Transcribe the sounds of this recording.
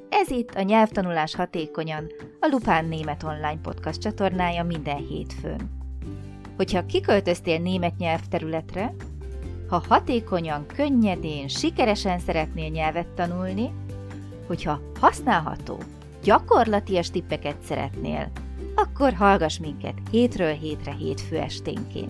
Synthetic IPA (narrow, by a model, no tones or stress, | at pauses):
ɛzit̪ːɒɲɛlft̪ɒnulaːʃhɒt̪eːko̞ɲɒn | ɒlupaːnːeːmɛt̪o̞nlaːɲpo̞̰t̪kɒst̪t͡ʃɒt̪o̞rnaːjɒmind̪ɛnhḛːt̪fø̰n | ho̞chɒkikø̞lt̪ø̞st̪eːlneːmɛt̪ɲɛlft̪ɛɾylɛt̪rɛ | hɒhɒt̪eːko̞ɲɒŋkø̞ɲːɛd̪eːnʃikɛɾɛʃɛnsɛɾɛt̪neːlɲɛlvɛt̪ːɒnulni | ho̞chɒ | hɒsnaːlɦɒ̰t̪o̰ː | ɟɒko̞rlɒt̪iɒʃt̪ipːɛkɛt̪sɛɾɛ̰t̪nḛːlɒkːo̞rɦɒlɡɒʃmiŋkɛ̰t̪heːt̪røːlɦeːt̪rɛɦḛːt̪føːɛ̰ʃt̪ḛːŋkḛːn